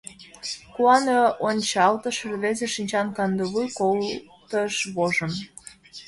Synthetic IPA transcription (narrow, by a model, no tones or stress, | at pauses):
kuɑneonʲt͡ɕɑlt̪ə̆ʃrβezeʃinʲt͡ɕɑnkɑnd̪əβujkolt̪əʃβoʒəm